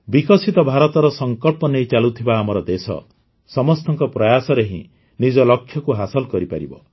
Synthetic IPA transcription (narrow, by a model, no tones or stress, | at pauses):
bikɔsit̪ɔbʱaɾɔt̪ɔɾɔsɔŋkɔlpɔnejt͡ʃalut̪ʰibaːmɔɾɔd̪esɔ̰ | sɔmɔst̪ɔŋkɔpɾɔjasɔɾeɦḭ̃ | nid͡ʒɔlɔkʰːjɔkuɦasɔlkɔɾipaɾḭbɔ̰